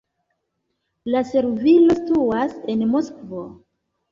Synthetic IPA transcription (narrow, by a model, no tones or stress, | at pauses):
lase̞ɾvilo̞stuase̞nmoskvo̞